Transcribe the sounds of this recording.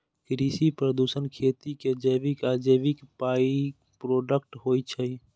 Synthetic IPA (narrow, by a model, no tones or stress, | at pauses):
kɾisipɾəd̪usənkʰet̪iked͡ʒəjʋɪkad͡ʒəʋɪkpaːi | pɾoːɖəkʈɦoːit͡ʃʰəi